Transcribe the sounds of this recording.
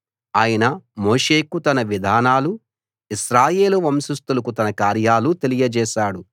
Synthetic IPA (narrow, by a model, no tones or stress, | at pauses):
aːjɐnɐmoːʂeːkut̪ɐnɐʋid̪ʱaːnaːlu | iʃɾaːje̞ːluʋɐmsust̪ulɐkut̪ɐnɐkaːɾjaːlut̪e̞lijɐd͡ʒɛːʃaːɽu